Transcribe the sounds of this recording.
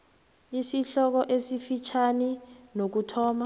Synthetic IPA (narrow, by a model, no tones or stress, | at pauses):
isiɬɔk̬ɔʔesifit͡ʃʰaninok̬utʰɔːma